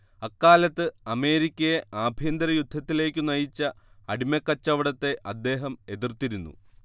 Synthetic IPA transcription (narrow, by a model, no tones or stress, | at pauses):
ɐkːaːlɐt̪ːɨɐme̞ːɾikʲːɐjeʔaːbʱiɐnd̪ɐɾɐjud̪ʱːɐt̪ːile̞ːkʲːɨnɐjit͡ɕːɐ | ɐɽimɐkːɐt͡ɕːɐʋiɽɐt̪ːe̞ʔɐd̪ːe̞ːɦɐme̞ðirt̪iɾunːṵ